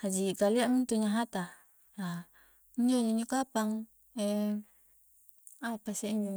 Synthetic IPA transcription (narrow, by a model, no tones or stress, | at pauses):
had͡ʒikaliaʔmint̪uɲaɦat̪a | a | iɲd͡ʒoɲoɲukapaŋ | ɛ | apaseiɲu